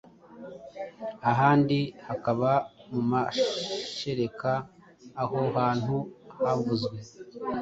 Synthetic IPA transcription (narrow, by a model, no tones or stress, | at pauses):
aɦaːndihakaβamumaʃe̞ɾe̞kaː | ho̞haːn̥huhavuzɡwe̞